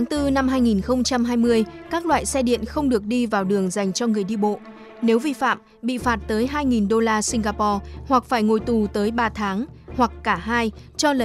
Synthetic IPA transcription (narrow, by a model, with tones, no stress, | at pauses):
a˨˦ŋt̪ɨ˧na˧mɦaː˧jŋi˨˩nxə˧wŋ͡mt͡ɕa˧mɦaː˧jmɨ˧əjkaː˦˥k̚lwa̰ː˧˨jsɛ˧ɗḭ˧˨ənxə˧wŋ͡mɗɨ˨˩ək̚ɗi˧vaː˨˩wɗɨ˨˩əŋza˨˩jŋ̟t͡ɕɔ˧ŋɨ˨˩əjɗi˧ɓo̰˧˨ | ne˨˦wvi˧fa̰ː˧˨m | ɓḭ˧˨faː˨˩t̚t̪əː˨˦jɦaː˧jŋi˨˩nɗo˧laː˧si˧ŋ̟ɣaː˧pɔ˧hwa˨˩k̚faː˧˩jŋo˧˩jt̪u˨˩t̪əː˨˦jɓaː˧t̪ʰaː˨˦ŋ | hwa˨˩kːaː˧˩ɦaː˧jt͡ɕɔ˧lə˨˧˩